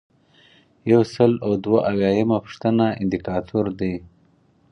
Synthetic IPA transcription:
jawsəlawd̪waʔawjɑːjamapə̥ʂt̪ənaɪnd̪ikɑːt̪ʰuɾd̪e

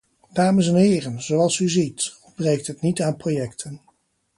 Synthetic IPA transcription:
d̥aːməsɛnɦɪːrənz̥owɑlˠsyzitɔbrejk̚tɦətnitaːnprojɛktʰən

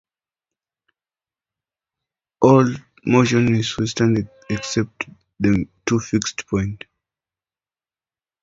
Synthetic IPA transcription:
ʔɔl | moʃɔ̃nizwistãnd | ɛksɛp̚t | ðətʰufikstpʰɔ̃j̃nt

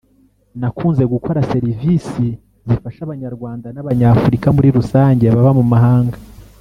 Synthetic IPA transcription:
nakuːnze̞ɡukʰo̞ɾase̞ɾivisi | zifaʃaβaɲaɾɡwaːndanaβaɲafuɾikamuɾiɾusaːɲɟe̞βaβamumaɦaːŋɡa

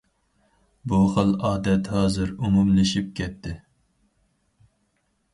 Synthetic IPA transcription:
buχəlˠɑːd̪ɛt̪hɑːzɨɾumumlɪʃip̚kʲʰɛt̪ʰːɪ

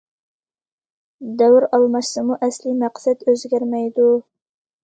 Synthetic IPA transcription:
d̪ɛwɾɑlˠmɑʃsɨmuʔɛslɪmæqsɛd̪øzɡʲæɾmɛjd̪u

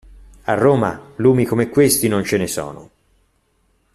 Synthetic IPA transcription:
arːoːma̰luːmikomekwest̪inont͡ʃenesɔ̰ːno̰

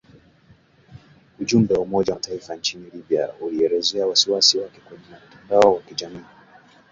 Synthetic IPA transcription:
uʄumbɛwaumɔʄataifant͡ʃinilibia̰uliɛɾɛzɛawasiwasiwakɛkwɛɲinam̩tandaɔwakiʄamiː

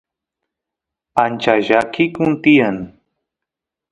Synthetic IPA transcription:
ant͡ʃaʒakʰikũnt̪ijan

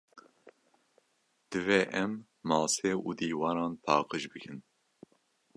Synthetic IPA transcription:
d̪̥ɨvɛːʔɛmː | ɑːseːṵːd̪iːwɑːɾɑːnpʰɑːqɨʃbɨkʰɨn

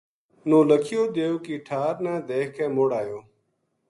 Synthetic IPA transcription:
nõːləkʰɪjoːd̪eːokiːʈʰaːɾnãːd̪eːkẽːmoːɽaːjoː

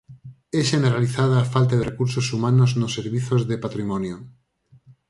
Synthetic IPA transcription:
eʃeneɾaliθað̞aːfalt̪aðerekuɾsosumanoznosːeɾβiθozðepat̪ɾimonjo

